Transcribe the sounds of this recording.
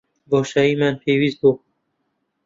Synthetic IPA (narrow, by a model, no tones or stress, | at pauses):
bɔːʃaiːmænpʰewiːzbo